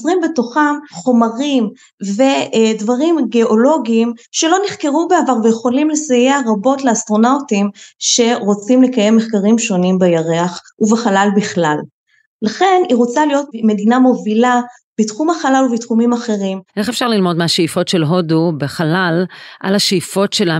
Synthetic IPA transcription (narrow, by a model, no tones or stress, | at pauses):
zʁimbe̞to̞χamχo̞maʁim | ve̞dvaʁimɡe̞o̞lo̞ɡiːmʃe̞lo̞niχke̞ʁubeavaʁvejeχo̞limle̞sajeaʁabo̞tleast̪ʁo̞nautimʃe̞ʁo̞t͡simle̞kajemːeχkaʁimʃo̞nimbejaʁeaχ | uveχalalbiχlalː | aχe̞niʁo̞t͡salijo̞tme̞dinamo̞vila | bitχumaχalaluvitχumimaχe̞ʁimʔeχefʃaʁlilmo̞dmeaʃeifo̞tʃelɦodubeχalalʔa̰laʃeifo̞tʃela